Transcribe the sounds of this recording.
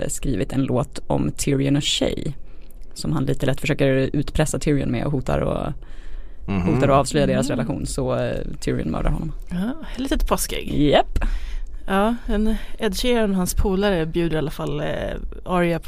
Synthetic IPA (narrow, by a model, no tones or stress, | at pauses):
skɾiːvɪt̪ʰɛnloːt̪ɔ̰mt̪ʰɪɾɪʊnɕɛ̰j | sɔmhanliːt̪əlɛt̪ːfœʂøːkəɾʉ̟ːt̪pʰɾɛsːat̪ʰʏɾɪənmɛ̰ɔɦuːt̪ʰa̰ɾɔ̰ | huːt̪aɾɔɑːvslœjːad̪eːɾasɾɛlaɧṵːnsɔt̪ʰɪɾɪə̰nmœ̰ːɖaɾhɔnːɔm | ɑlit̪t̪pʰɔskɪ̰ɡjɛpː | ɑːɛnɛd̪ɕɛɔnhanspʰuːlaɾəbjʉːd̪əɾalːafalː | ɑɾɪapʰ